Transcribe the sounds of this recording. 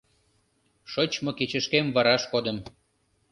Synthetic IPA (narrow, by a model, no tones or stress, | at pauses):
ʃot͡ɕmoket͡ɕəʃkemvɑɾɑʃkod̪əm